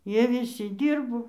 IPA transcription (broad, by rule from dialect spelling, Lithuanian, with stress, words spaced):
ˈjiɛ ʋʲɪˈsʲɪ ˈdʲiːrboː